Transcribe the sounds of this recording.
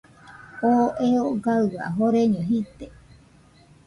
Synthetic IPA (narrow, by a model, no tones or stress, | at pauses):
oʔeoɡawa̰ɦoɾeɲoɦit̪e